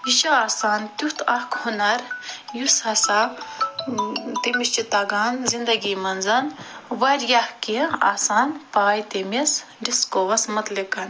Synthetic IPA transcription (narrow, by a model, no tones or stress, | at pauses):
iʃaaːsaːnt̪ut̪ʰɐhkhunɐɾjusɐsa | t̪emist͡ʃit̪aɡaːnzind̪ɐɡimɐnzɐnʋɐɾjɐhkia̰ːsaːnpaːjt̪emis | ɖiskoːʋɐsmɐt̪likɐn